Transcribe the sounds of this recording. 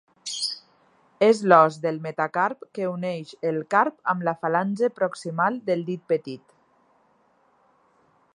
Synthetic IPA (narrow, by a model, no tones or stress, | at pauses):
ezlɔzðelmet̪akaɾpkeuneʃelˠkaɾpəmlafalanʲzəpɾɔksimalˠd̪elˠd̪it̪̚pət̪it̪